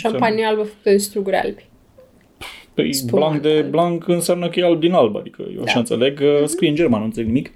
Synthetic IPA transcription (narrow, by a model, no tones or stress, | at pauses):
ʃompaniaalbəfkut̪əd̪ist̪ɾuɡuɾʲa̰lbʲi | pblaŋkd̪eblaŋkɨnseamnəkəjealbd̪inalbəa̰d̪ikʰə̰jḛwa̰ʃaɨnt̪se̞le̞ɡskɾijeɨnd͡ʒermanunt̪seleɡnimik